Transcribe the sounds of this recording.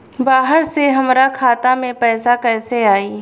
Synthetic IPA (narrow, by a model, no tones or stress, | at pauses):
baːɦəɾseɦɐmɾakʰaːt̪amẽpɛːsakɛːseaːiː